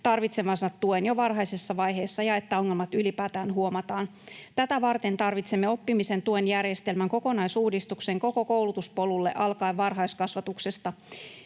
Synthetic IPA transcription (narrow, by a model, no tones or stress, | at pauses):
t̪ɑrʋit̪semɑsɑt̪ːuenjoʋɑrɦɑjsesːɑʋɑjɦe̞ːsːɑjɑe̞t̪ːæo̞ŋːelmɑt̪ylipæːt̪æːnɦuo̞mɑt̪ɑːn | t̪æt̪æʋɑrt̪e̞nt̪ɑrʋit̪semːeo̞pːimise̞nt̪uenjærjest̪e̞lmæŋko̞ko̞nɑjsuːdist̪ukseŋko̞ko̞kowlut̪uspo̞lulːe̞̰ʔɑlkɑiʋʋɑrɦɑjskɑsʋɑt̪ukse̞st̪ɑ